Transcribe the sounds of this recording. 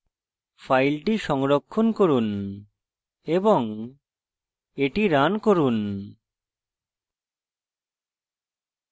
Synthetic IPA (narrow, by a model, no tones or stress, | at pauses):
fajlʈiʃɔŋɾokʰːonkoɾun | eboŋ | eʈiɾankoɾun